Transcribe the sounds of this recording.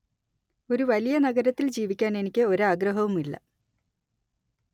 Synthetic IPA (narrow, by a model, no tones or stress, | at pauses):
o̞ɾuʋɐlijɐnɐɡɐɾɐt̪ːild͡ʑiːʋikʲːaːne̞nikʲːɨo̞ɾaːɡrɐɦɐʋumilːɐ̰